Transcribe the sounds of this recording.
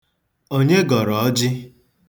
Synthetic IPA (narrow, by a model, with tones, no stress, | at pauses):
o˦ɲe˦ɡɔ˨ɾɔ˨ɔ˦d͡ʒɪ˦